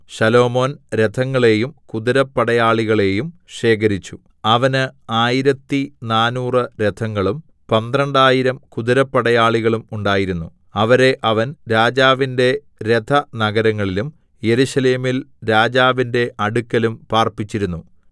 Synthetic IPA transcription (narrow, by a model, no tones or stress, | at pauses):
ɕɐlo̞ːmo̞ːnɾe̞t̪ʰɐŋːɐɭe̞ːjumkuðiɾɐpːɐɽɐjaːɭiɣɐɭe̞ːjumʂe̞ːk̬ɐɾit͡ɕːu | ɐʋɐnɨaːjiɾɐt̪ːinaːnuːrɨɾed̪ʰɐŋːɐɭum | pɐnd̪rɐɳɖaːjiɾɐmkud̪iɾɐpːɐɽɐjaːɭiɣɐɭumuɳɖaːjiɾunːu | ɐʋɐɾe̞ʔɐʋɐnɾaːd͡ʑaːʋinde̞ | ɾet̪ʰɐnɐɡɐɾɐŋːɐɭilum | je̞ɾuɕɐle̞ːmilɾaːd͡ʑaːʋinde̞ʔɐɽukːɐlumpaːrpit͡ɕːiɾunːu